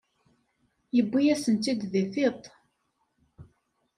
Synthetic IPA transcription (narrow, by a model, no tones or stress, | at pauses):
jəbːijæsənt̪id̪ðiθit̪ˤ